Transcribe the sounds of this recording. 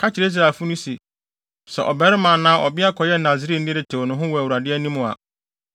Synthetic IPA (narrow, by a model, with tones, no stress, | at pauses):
kʰa˦t͡ɕɪ˨e˨˦i˦s̬ɾa˨fʊ˦nʊ̃˦se˨ | sɛ̰˨ʔɔ˨bɛ˨˦ɾɪ˦mã˨nãː˦ʔɔ˨bɪ˦a˦kʰɔ˨jɛ˦nã˨zi˨ɾi˦nɪ̃˦ɾɪ˦˨tʰɛ˨wɔ˨nʊ̃˨˦ɦʊ̃˦wɔ˨æ˨wu˨ɾa˨dɪ˦ɛ˦nĩ˦mʊ̃˨a̰˨